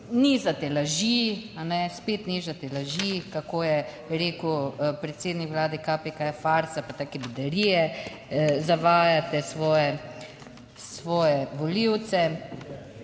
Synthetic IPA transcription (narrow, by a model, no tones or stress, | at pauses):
nizat̪ɛlaʒianɛspeːt̪nizat̪ɛlaʒikakoːjɛ | ɾeːkupɾɛt̪seːd̪nikʋlaːd̪ɛkapekajafaɾsapat̪aːkɛbid̪ɛɾijɛ | zaʋaːjat̪ɛsʋɔːjɛ | sʋɔːjɛʋɔliwt̪sɛ